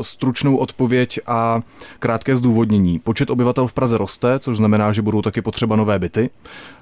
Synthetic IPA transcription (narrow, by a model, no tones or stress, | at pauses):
st̪ɾut͡ʃno̞wʔo̞t̪po̞vjɛcʔakɾaːt̪kɛːzduːvo̞d̪ɲɛɲiːpo̞t͡ʃɛt̪o̞bɪvat̪ɛlfpɾazɛɾo̞st̪ɛt͡so̞ʒznamɛnaːʒɛbudo̞wt̪akɪpot̪r̥ɛbano̞vɛːbɪt̪ɪ